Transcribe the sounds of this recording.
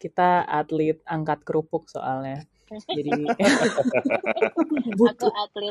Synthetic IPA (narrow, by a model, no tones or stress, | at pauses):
kit̪aat̪lit̪̚aŋkat̪̚kɾupʊk̚so̰ʔalɲa | d͡ʒadi | but̪ʊ